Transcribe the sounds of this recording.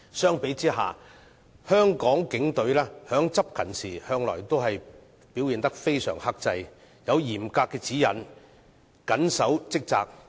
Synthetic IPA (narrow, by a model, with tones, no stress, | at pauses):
sœː˥ŋpe˨˥jt͡siː˥ɦaː˨ | hœː˥ŋkɔː˨˥ŋkɪ˨˥ŋt̪ɵ˨˥ɥlɛː˥hœː˨˥ŋt͡sɐ˥p̚kʰɐ˨˩nsiː˨˩hœː˧ŋlɔ̰ː˨˩jt̪o˥wɦɐ˨j | piː˨˥wjiː˨nt̪ɐ˥k̚fe˥jsœ̰ː˨˩ŋhɐ˥k̚t͡sɐ˧j | jɐ˨˧wjiː˨˩mkaː˧kːɛː˧t͡siː˨˥jɐ̰˨n | kɐ˨˥nsɐ˨˥wt͡sɪ˥k̚t͡sa̰ː˧k̚